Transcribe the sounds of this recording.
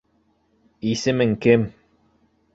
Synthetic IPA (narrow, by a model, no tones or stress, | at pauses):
isɘ̆mɘŋkɘm